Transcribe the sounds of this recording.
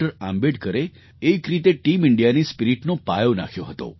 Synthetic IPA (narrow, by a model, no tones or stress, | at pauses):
əɾambeɖkəɾeː | kɾit̪eʈimɪɳɖijanispiɾiʈnopajona̰kʰjoɦət̪o̰